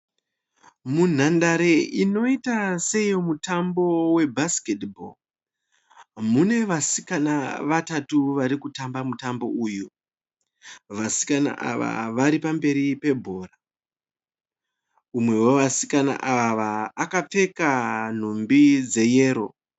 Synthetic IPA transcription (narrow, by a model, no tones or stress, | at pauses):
mun̤andaɾe̞ino̞itase̞jo̞mutambo̞we̞bʱasketbo̰l | mune̞ʋasikanaʋatatuʋaɾikutambamutambo̞uːju | ʋasi̥kana̰ʔa̰ʋa̰ʋaɾipambe̞ɾipe̞bʱo̞ːra | umwe̞woʋasi̥kana̰ʔaʋaʋaːkap͡fe̞kan̤umbid͡ze̞je̞ːɾo̞̰